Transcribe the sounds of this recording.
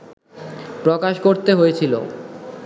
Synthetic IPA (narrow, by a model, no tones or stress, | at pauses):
pɾokaʃkoɾt̪eɦojet͡ɕʰilo̰